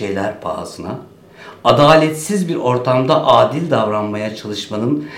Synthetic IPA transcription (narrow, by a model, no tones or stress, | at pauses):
ejlʲæɾpʰa̰ːzɯna | ad̪aːlʲɛt̪sizbiɾo̞ɾt̪ʰamd̪aʔaːd̪ilʲd̪avɾanmajat͡ʃʰalˠɯʃmanɯn